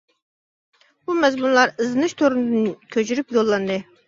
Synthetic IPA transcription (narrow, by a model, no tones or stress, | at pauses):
b̥umɛzmunlˠɑɾɨzɨnɨʃt̪ʰoɾunɨd̪ɨnkʲʰøt͡ʃʰyɾypjolˠːɑnd̪ɨ